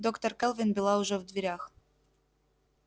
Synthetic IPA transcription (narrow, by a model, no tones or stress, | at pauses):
d̪okt̪orkelˠvʲinbʲɪlˠɑuʒovd̪vʲeɾʲax